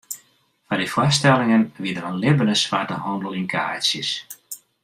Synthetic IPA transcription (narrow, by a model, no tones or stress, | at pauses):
fadifwɔstɛlˠɪŋənʋidəɾənlɪbənəsʋaːtəɦɔndəlˠiŋkʰa̰ːsjəs